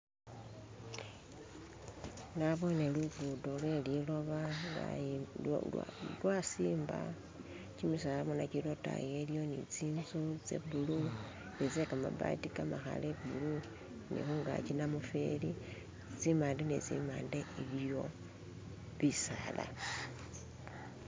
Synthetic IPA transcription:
naβo̞neluɡudolwelilo̞βala̰ | lwasiːmba̰ | cimisalaβonacilota̰je̞ljo̞nit͡siːnzut͡sḛbulu | et͡sekama̰ba̰tikamaxa̰lebulu | nḭxuŋɡa̰cinamufḛli | t͡simaːndenet͡sḭmaːndeiβjo̞ | βisaːla̰

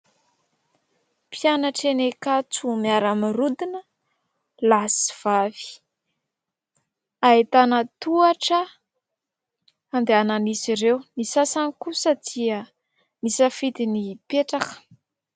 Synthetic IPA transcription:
pijanaʈ͡ʂenekat͡sumiaɾamirud̪inə | lasi̥v̥avi̥ | ait̪anət̪uaʈ͡ʂə | and̪eananisiɾewnisasanikusəd̪̥iə | nisəfid̪inipeʈ͡ʂakə̥

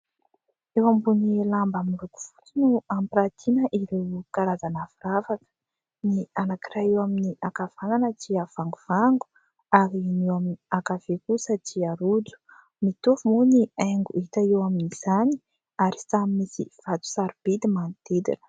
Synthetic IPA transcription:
ewambunilambamuluku̥fu̥t͡sinuampiɾat̪ʰinəʔiɾewkaɾazanaviɾavakə̥ | nianakirajewaminiʔakav̥ananət͡siav̥aŋɡuv̥aŋɡu̥ | aɾinewaminiakavekusat͡siaɾud͡zu̥ | mit̪uvumuniaŋɡuit̪aewaminiz̥ani̥ | aɾi̥samimisḭv̥at̪u̥saɾub̥ed̪imant̪ed̪ḭnə̥

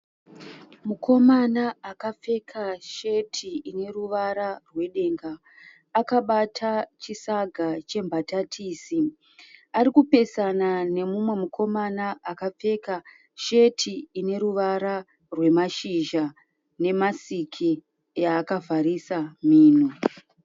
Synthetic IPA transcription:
mukʰo̞manaakap͡fe̞kʰaʃetʰiine̞ruʋaɾarwe̞ɗe̞ŋɡaː | kaɓatʰat͡ʃisaɡʱat͡ʃe̞mbʱatatʰiːsi | aɾikupe̞sanane̞mumwe̞mukʰo̞manaakap͡fe̞ka | ʃetʰiːne̞ɾuʋaɾa | rwe̞maʃiʒa | ne̞masikʰi | jaːkavʱaɾisamiːno

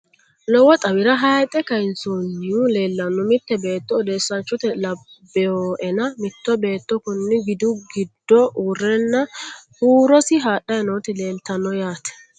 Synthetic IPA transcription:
lɔwɔt̪ʼɐwɪɾɐɦɐjt̪ʼɛkɐjɪnsuːnːɪjuleːlːɐnːʊmɪt̪ːɛbe̞ːt̪ːɔːd̪eːsːɐnt͡ʃːɔt̪ɛlɐbːɛjoːʔɛnɐmɪt̪ːɔbe̞ːt̪ːɔkʊnːɪɡɪd̪ʊɡɪd̪ːɔʔuːrːɛnːɐhuːɾɔsɪɦaːɗɐjɛnoːt̪ɪleːmt̪ɐnːɔjaːt̪ɛ̥

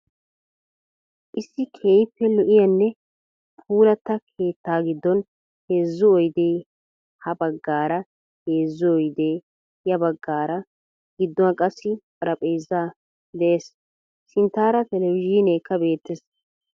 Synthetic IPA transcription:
ʔɪsːɪkʰeːjpːɛlɔʔɪjɐnːɛ | pʰuːlɐt̪ːɐkʰe̞ːt̪ːaːɡɪd̪ːɔn | heːzːʊɔjd̪eː | hɐbɐɡːaːɾɐ | heːzːʊɔjd̪eː | jɐbɐɡːaːɾɐ | ɡ̥ɪd̪ːɔɐkʼɐsːɪpʼɐɾɐpʼejzːaː | d̪ɛʔeːs | sɪnt̪ːaːɾɐt̪ɛlɛwɪʒiːneːkʰːɐbe̞ːt̪ːɛs

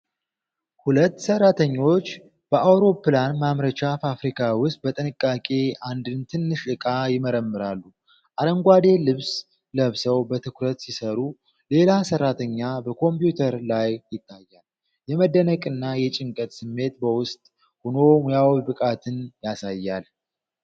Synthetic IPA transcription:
hulət̪ːsərːat̪ʰəɲːo̞t͡ʃː | b̥əʔawɾo̞pːlanmamɾət͡ʃafafɾikʰawʊst̪̚ʼbət̪ʼɨnɨkʼːakʼeand̪ɨnt̪ʰɨnːɨʃɨkʼajɪməɾəmːɨɾalːu | ʔaɾəŋɡʷad̪e̞lɨβs | ləβsəwbət̪ʰɨkɾət̪sisəɾu | le̞lasərːat̪ʰəɲːabəkʰo̞mpjut̪ʰəɾlajjɪt̪ːajːal | jɛməd̪ənəkʼɨnːajɛt͡ʃʼɪŋkʼət̪sɨmːe̞t̪bəwʊst̪ʼ | hono̞mjawibɨkʼat̪ʰɨnjasajːal

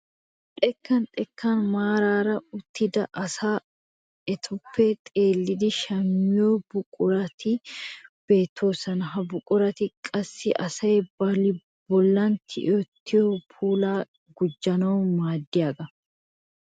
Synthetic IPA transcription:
t̪ʼɛkːɐnt̪ʼɛkʰːanmaːɾaːɾɐʊt̪ːɪd̪ɐʔɐsaː | ɛt̪ʰʊpːeːt̪ʼe̞ːlːɪd̪ɪʃɐmːɪjoːbʊkʼʊɾɐt̪ɪb̥e̞ːt̪ʰːoːsɐnɦɐbʊkʼʊɾɐt̪ɪkʼɐsːɪʔɐsɐjɛbɐlɪ | b̥ɔlːɐnt̪ʰɪ̰ʔot̪ːɪjoːpʰuːlaː | ɡʊd͡ʒːɐnɐːmaːd̪ːɪjaːɡɐ

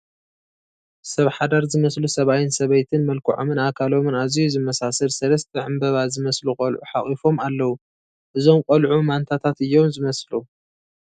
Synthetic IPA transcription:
sɐβħad̪aɾzɨmɐslusɐβajɪnsɐβɐjt̪ʰɨnmɐlkʰɐʕo̰mɨnakʰalo̞mɨnazijuzɨmːɐsasɐlsɐlɐst̪ʰiʕɨmbɐβazɨmɐslukʼɐlʕuħaχʼifo̞malːɐwu | ʔɨzo̞mkʼɐlʕumant̪ʰat̪ʰat̪ɨjːo̞mzɨmɐslu

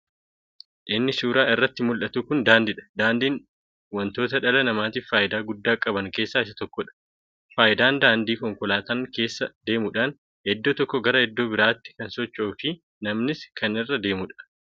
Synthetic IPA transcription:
ʔɪnːɪsuːɾaːɪrːɐt̪ːɪmʊlʔɐt̪uːkʊnd̪aːnd̪ɪᶑɐ̥d̪aːnd̪iːn | wɐnt̪o̞ːt̪ɐᶑɐlɐnɐmaːt̪iːffaːjʔɪd̪aːɡʊd̪ːaːkʼɐbɐŋke̞ːsːaːɪsɐt̪ɔkːɔᶑɐ̥ | faːjɪd̪aːnd̪aːnd̪iːkɔŋkʊlaːt̪ɐːŋke̞ːsːɐd̪e̞ːmʊᶑaːn | hɛd̪ːoːt̪ɔkːɔɡɐɾɐhɛd̪ːoːbɪɾaːt̪ːɪ̥kɐnsɔt͡ʃːoːfɪ | nɐmnɪskʰɐnɪrːɐd̪e̞ːmʊᶑɐ̥

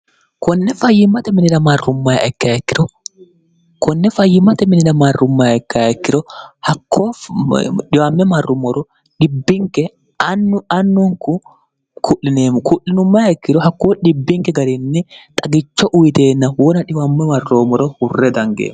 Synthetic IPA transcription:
kɔnːɛfɐjːɪmːɐt̪ɛmɪnɪnɐmɐrːʊmːɐja̰ʔɛkːɐjaɛkːɪdɔ | kɔnːɛfɐjːɪmːɐt̪ɛmɪnɪnɐmɐrːʊmːɐjaɛkːɐaɛkːɪᶑɔhɐkʰːoː | ɗɪwamːɛmɐrːʊmɔɾɔ | ᶑɪbːɪŋkɛ | nːʊɐnːʊŋkʊ | kʰʊʔɪneːmʊkʊʔːɪnʊmːɐjaɛkːɪdɔɦɐkːoːᶑɪbːɪŋkɛɡɐɾɪnːɛt̪ʼɐɡɪt͡ʃːɔʔʊjɪt̪eːnːɐwɔnɐᶑɪwamːɛmɐrːoːmɔɾɔhʊrːɛd̪ɐŋɡḛːm

